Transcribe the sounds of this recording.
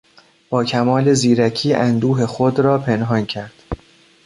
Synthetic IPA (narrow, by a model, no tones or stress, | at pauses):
b̥ɒːcʰæmɒːle̞ziːɾæcʰiːʔænd̪uːɦe̞xod̪ɾɒːpʰe̞nɦɒːncʰæɾd̪̥